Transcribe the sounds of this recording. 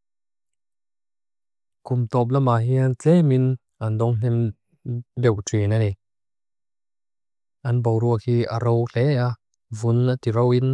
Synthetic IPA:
kumt̪ɔp̬̚lamaɦiant͡sɛmin | andɔŋɬɛm | dɛwtʰinanɛ | ʔanbowɾuək̚hia̰ɾowɬɛja | vunat̪iɾowin

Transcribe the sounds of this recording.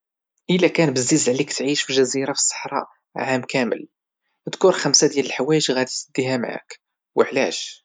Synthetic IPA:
ʔəlækænbəzːizʕlikt̪ʕiʃfiʒæziɾafə̥sˤːɑ̥ħɾˤɑ̰ | ʕamkæmə̰l | d̪kuɾxæmsad̪jæləlħawæjəʒɣæd̪it̪sd̪ːiɦamʕa̰k | wəʕlæ̰ʃ

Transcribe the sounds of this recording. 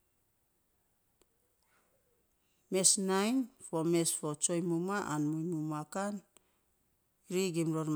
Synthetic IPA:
mesnajnfomesfot͡ʃojmumaʔanmujmumakan | ɾiɡimɾoɾm

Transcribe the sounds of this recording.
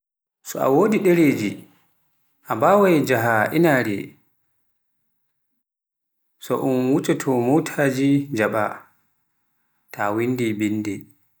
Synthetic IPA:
sɔa̰woːdiɗɛɾeːd͡ʒi | ʔabawajd͡ʒaɦaʔinaɾɛ̰ | sɔ̰ʔunwut͡ʃatʰɔmutʰad͡ʒid͡ʒaɓa̰ | tʰawindibindɛ

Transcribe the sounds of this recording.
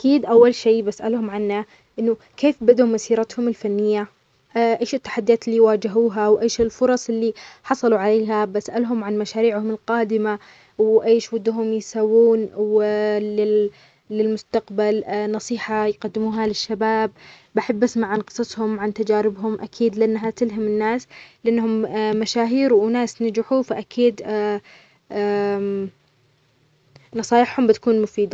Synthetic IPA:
ʔakiːd̪ʔawːalʃeːbasʔa̰lhʊmʕanːa | ʔɪnːʊ | keːfbad̪umasiːɾɑt̪hʊmɪlfanːɪjːa | ʔeːʃɪt̪ːḁħad̪ːijaːt̪ɪlːijwaːd͡ʒɪɦuːɦawʔeːʃɪlfʊɾˤɑsˤɪlːiħɑsˤɑluʕaleːɦabasʔalɦʊmʕanmaʃaːɾiːʕhʊmɪlqɑːd̪ɪma | wʔeːʃwɪd̪ːɦʊmjsawːuːnwlɪ | lɪlmʊst̪aqbalnɑsˤiːħajqad̪ːɪmuːɦalɪʃːabaːb̚ː | aħabːasmaʕanqɨ̥sˤɑsˤhʊmʕant̪ad͡ʒaːɾɪbɦʊmʔakʰiːd̪lɪʔɪnːɦat̪ɪlɦamɪnːaːslɪʔɪnːɦʊmːaʃaːɦiːɾwʔnaːsnad͡ʒɪħufaʔakʰiːd̪ | nɑsˤɑːjɪħhʊmbɪt̪ḁkuːnmʊfiːd̪a

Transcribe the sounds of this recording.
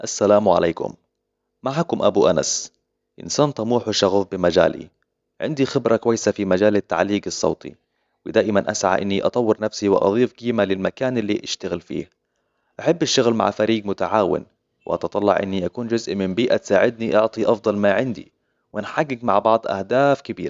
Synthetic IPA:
ʔasːalaːmʕa̰leːkʊ̰m | maʕakʊmʔa̰buʔana̰s | ʔɪ̰nsaːnt̪ˤɑmuːħwɪʃɑɣʊfbɪmad͡ʒa̰ːlḭ | ʕɪ̰nd̪ixɪbɾˤɑkwajːsafimad͡ʒaːlɪt̪ːa̰ʕliːɡɨsˤːɑ̰ːt̪ˤḭ | wɪd̪aːʔɪmanʔasʕa̰ʔɪ̰nːiʔɑ̰t̪ˤɑwːɪɾnafsiwɪʔɑ̰ðˤiːfɡ̥iːmalɪlmakaːnʔɪlːiʔɪʃt̪aɣɪlfḭːh | ʔaħɪbːɪʃːʊɣlma̰ʕfaɾiːɡmʊt̪aʕaːwɪ̰n | wɪʔɑ̰t̪ɑt̪ˤɑlːɑ̰ʕʔɪ̰nːiʔakuːnd͡ʒʊzʔmɪmbiːʔat̪saːʕɪd̪̚niʔɑʕt̪ˤiʔɑfd̪ˤɑlmaʕɪnd̪ḭ | wɪnħaɡːɪɡmaʕbɑʕd̪ˤʔa̰hd̪aːfkɪbiːɾa

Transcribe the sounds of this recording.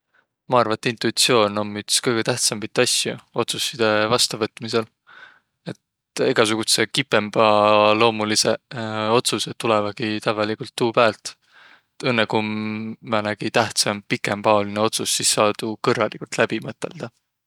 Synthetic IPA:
mɑɑrvɑet̪ːˑint̪uit̪sio̞ːno̞mːyt̪skɤjɡ̥et̪æht̪sɑmit̪ːˑɑsʲjuo̞t̪susːid̪̥e̞vɑst̪ɑvɤt̪ːˑmise̞l | e̞t̪ | iɡ̥ɑs̬uɡ̥ut̪se̞kipe̞mb̥ɑlo̞ːmuliseo̞t̪suset̪ːulevɑɡ̥it̪ævɑlikult̪ːuːpæːlt̪ˑ | et̪e̞nːekumɑnæɡ̥it̪æht̪sɑmpikempɑo̞lineo̞t̪susːisːɑːd̪̥ukɤrːɑlʔikult̪læb̥imɤt̪ːˑe̞̰ld̪̥ɑ

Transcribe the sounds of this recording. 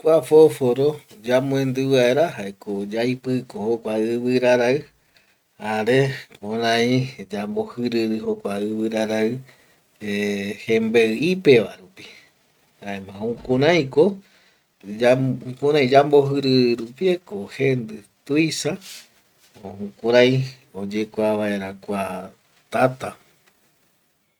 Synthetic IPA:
kʷafofoɾod͡ʒamõẽnd̪ɨβaeɾaɦaekod͡ʒajpɨkohokʷaɨβɨɾaɾaɨ | aɾekõɾãĩd͡ʒambohɨɾɨɾɨɦokʷaɨβɨɾaɾaɨ | ehẽmbeɨipeʋa̰ɾupi̥ | aemãũkũɾãj̃ko | aukũɾãj̃d͡ʒamboɦɨɾɨɾɾupiekohend̪ɨt̪ujsa | oũkuɾãj̃ | od͡ʒekʷaβaeɾakʷa | t̪at̪a

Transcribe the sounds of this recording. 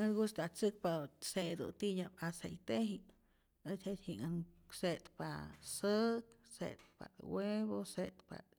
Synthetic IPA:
eɾɡust̪at͡sɨk̚pased̪ṵt̪iɲapasejt̪eɦi | et͡ʃhet̪hiŋaŋ | set̪pasəksḛt̪̚pa̰t̪weβoset̪pa̰t̪

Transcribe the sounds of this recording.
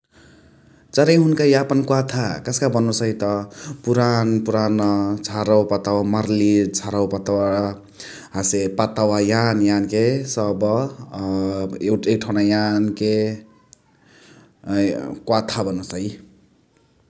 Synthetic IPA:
t͡saɾʌjɦunkajapʌnkwat̪ʰakʌskabʌnːusʌjt̪ʌpuɾanpuɾanʌt͡sʰaɾawpat̪awamarlit͡sʰaɾawpat̪awa | ɦasepat̪awajanjankesʌbʌ | ek̚ʈʰawnajanke | kwat̪ʰabʌnusʌj

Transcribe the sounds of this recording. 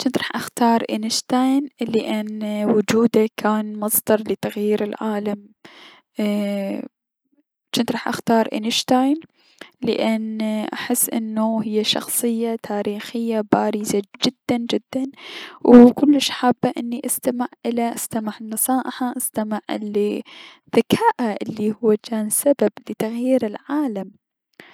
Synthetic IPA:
t͡ʃɪnt̪ɾˤɑːħʔaxt̪ɑːɾˤʔɪnɪʃt̪ajnlɪʔanwʊd͡ʒuːd̪akʰaːnmɑsˤd̪ɑɾˤlɪt̪aɣjiːɾɪlʕaːlam | t͡ʃɪnt̪ɾɑːħʔa̰xt̪ɑːɾˤʔɪ̰nɪʃt̪ajn | lɪ̰ʔanʔa̰ħɪsːʔɪ̰nːuɦɪjːaʃɑ̰xsˤɨjːat̪ʰaːɾiːxɪjːabaːɾizad͡ʒɪd̪̥ːand͡ʒɪd̪ːanwkʊlːɪʃʔħabːaʔɪnːiʔast̪amɪʕʔɪlaʔast̪amaʕɪnːɨsˤɑːʔɪħaʔast̪amɪʕɪ̰lːi | ðakʰaːʔaʔɪlːihʊwːat͡ʃaːnsabablɪt̪aɣjiːɾɪlʕaːlam

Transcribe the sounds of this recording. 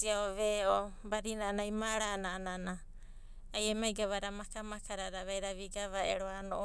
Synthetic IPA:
iaoβeobaɾinanajmaɾanaːnanaː | jemajɡaβaɾamakamakʰaɾaɾaβajɾaβiɡaβaḛɾoanoʔ

